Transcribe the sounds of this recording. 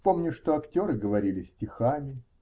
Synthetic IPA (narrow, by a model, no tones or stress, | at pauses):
po̞mnʲʊʂt̪o̞ɐktʲo̞ɾɨɡəvɐɾʲilʲɪsʲtʲɪxamʲɪ